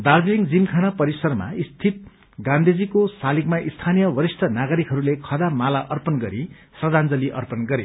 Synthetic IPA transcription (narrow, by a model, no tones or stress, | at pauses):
d̪arbiliŋd͡zimkʰanapʌɾisʌrma̰ist̪ʰit̪̚ | ɡãnd̪ʱed͡zikosalikmaʔist̪ʰanijʌwʌɾisʈʰʌnaɡʌɾikɦʌɾulekʰʌd̪amalaʔʌrpʌnɡʌɾi | srʌd̪and͡zʌliʔʌ̰rpʌnɡʌɾḛ